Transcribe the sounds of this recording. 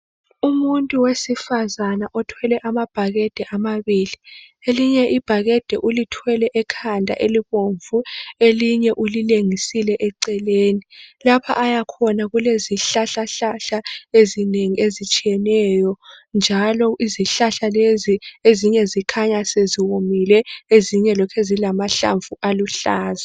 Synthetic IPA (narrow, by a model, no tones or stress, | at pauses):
umuntʼuwesifazanaʔɔtʰwɛlɛʔamab̥ʱaɣɛd̥ʱɛʔamaβili | eliɲɛʔib̥ʱaɣɛd̥ʱɛʔulitʰwɛlɛʔɛkʰandʱa̰ʔeliβoɱvueliɲɛʔulileŋisilɛʔɛǀɛleːnilapʰa̰ʔajakʰɔnaɣuleziɬaɬaɬaɬaezineŋiezit͡ʃʼijɛnɛjɔnd͡ʒʱalɔʔiziɬaɬalezieziɲɛzikʰaɲaseziwomilɛeziɲɛlɔkʰɛzilamaɬa̰ɱvuʔaluɬaːza